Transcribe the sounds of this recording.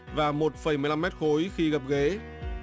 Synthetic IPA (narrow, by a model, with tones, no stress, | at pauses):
vaː˨˩mo˨˩t̚fə˨˧˩jm˨˩jla˧mɛ˦˥t̚xo˨˦jxi˧ɣə˨˩p̚ɣe˨˦